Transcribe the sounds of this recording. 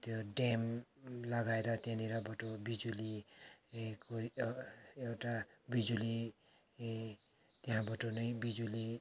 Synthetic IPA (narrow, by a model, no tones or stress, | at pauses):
t̪joɖemlʌɡaeɾʌt̪janeɾʌbʌʈobid͡zuli | ko | ewʈabid͡zuli | t̪aɦãbʌʈonʌjbid͡zuli